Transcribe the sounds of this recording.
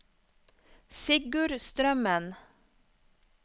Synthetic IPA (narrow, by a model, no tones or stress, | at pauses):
sɪɡʉɾst̪ɾœmən